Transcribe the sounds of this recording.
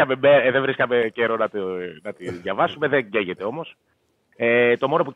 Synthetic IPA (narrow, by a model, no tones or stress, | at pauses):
ɐmemeðevɾiskɐmeceɾonɐt̪nɐt̪iðʝɐvɐsume̞ðeɟeʝet̪e̞o̞mo̞s | et̪o̞mo̞no̞p̬u